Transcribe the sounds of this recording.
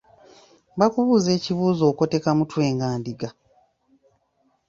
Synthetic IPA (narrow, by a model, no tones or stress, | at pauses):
βakuβuːze̞ːciβuːzo̞ːko̞te̞kamutwe̞ːŋɡaːndiɡa